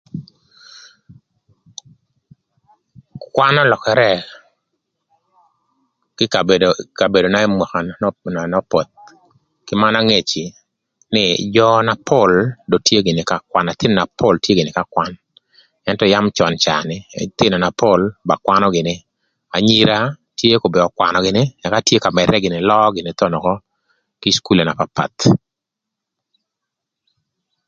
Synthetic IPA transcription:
kwa˦nɔ˦lɔ˨kɛ˨ɾɛ˦ | kɪ˦˨eka˨be˨do˨na˦e˦mwa˨ka˨n˨nɔ˦pɔ˨t̪̚ | kɪ˦ma˦na˦ŋe˨t͡ʃi˨ | nɪ˦jɔ˦na˨pʰo˦˨ldo˨tje˦ɡɪ˨nɪ˨ka˦kwa˦na˨t̪ɪ˦n˨na˨po˦ltje˦ɡɪ˨nɪ˨ka˦kwa˦n | ɛ˦ntɔ˦ja˦mt͡ʃɔ˨nt͡ʃa̰˨nɪ˨t̪ɪ˦na˨na˨po˦lba˨kwa˦nɔ˦ɡɪ˨nɪ˦ | a˨ɲi˦ɾa˦tje˦ko˨bɪ˨ɔ˨kwa̰˨nɔ˨ɡɪ˨nɪ˦na˨ka˦tje˦ka˨mɛ˨ɾɛ˦ɡɪ˨nɪ˨lɔ˦ɡɪ˨nɪ˨t̪ɔ˦nɔ˨kɔ˦ | kɪ˦sku˦le˨na˨papa̰˨t̪

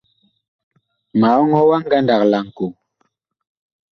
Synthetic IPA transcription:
ma˨˦ɔ˦ŋhɔ˦wa˦ŋ˦ɡa˦nda˨kla˨ŋ˨ku˨

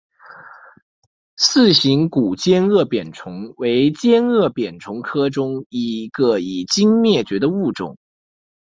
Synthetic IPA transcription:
sɹ̩˥˩ɕi˧˥ŋku˨˩t͡ɕjɛ˥nɤ˥˩pjɛ˨˩nʈ͡ʂʰʊ˧˥ŋwe˧˥ɪt͡ɕjɛ˥nɤ˥˩pjɛ˨˩nʈ͡ʂʰʊ˧˥ŋkʰɤ˥ʈ͡ʂʊ˥ŋi˧˥ɡə˧i˨˩t͡ɕi˥ŋmjɛ˥˩t͡ɕɥɛ˧˥d̪ə˧u˥˩ʈ͡ʂʊ̰˨˩˦ŋ

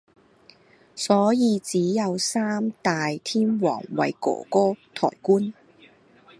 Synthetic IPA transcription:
sɔː˨˥jiː˨˧t͡siː˨˥jɐ˨˧wsaː˥mt̪aː˨jt̪ʰiː˥nwɔ̰ː˨˩ŋwɐ̰˨jkɔ̰ː˨˩kɔː˥t̪ʰɔ̰ː˨˩jkuː˥n

